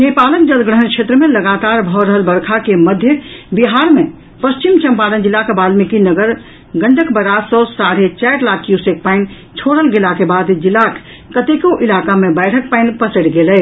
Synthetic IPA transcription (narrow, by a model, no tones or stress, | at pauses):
nepaləkd͡ʒəd̪ɡɾɽəɦənkʃʰet̪ɾəmẽləɡat̪aɾbʱɔɾəɦəlbəɾkʰakeməd̪ʱjəbiɦaɾme | pəst͡ʃimt͡ʃəmpalənd͡ʒilːakebalmikinəɡəɾ | ɡəɳɖəkbəɾasɔ̃saɾet͡ʃɛʈlakjusek̚paɪn | t͡ʃʰoɽəlɡelakebad̪d͡ʒilak | kət̪ekoʔilakamebɛɪʈʰək̚paɪnpəsəɽɡelɛ